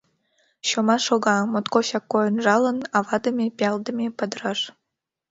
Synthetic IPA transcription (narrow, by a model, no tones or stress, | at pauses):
ɕomɑʃoɣɑmot̪koɕɑkːojə̆nʒɑlˠə̆nɑvɑd̪ə̆mʲepʲɑld̪ə̆mʲepəd̪ɾɑʃ